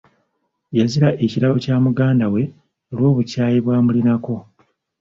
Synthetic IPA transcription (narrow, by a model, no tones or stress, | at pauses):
jaziɾaʔe̞ciɾaβocaːmuɡaːndawe̞ | olwo̞ːβucaːjiβwaːmulinako̞